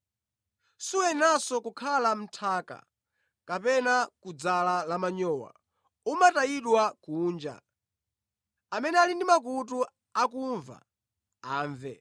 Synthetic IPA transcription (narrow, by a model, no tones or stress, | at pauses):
suwɛnasɔkukʰalam̩tʰaːka̰ | kapɛnakud͡zalalamaɲɔːwa̰ | umataiɗwakuːnd͡ʒa̰ | amɛnɛalindimak̬ut̬u | akuɱva̰ | aːɱvɛ̰